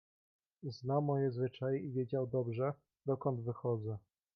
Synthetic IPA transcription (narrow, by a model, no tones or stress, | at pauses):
znawmɔjɛzvɘt͡ʂajɛivʲjed͡ʑawd̪ɔbʐɛ | d̪ɔkɔnd̪vɘxɔd̪zɛ